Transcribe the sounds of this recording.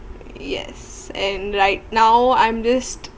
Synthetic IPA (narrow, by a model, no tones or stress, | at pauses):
jɛ̰s | ɛ̃nɹaɪt̚naʊãɪ̃md͡ʒʌst